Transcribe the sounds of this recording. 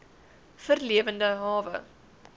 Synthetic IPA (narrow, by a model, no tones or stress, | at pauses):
fərliəvəndəɦɑːvə̰